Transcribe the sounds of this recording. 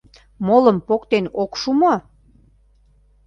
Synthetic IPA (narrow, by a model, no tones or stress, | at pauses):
moləmpokt̪enokʃumo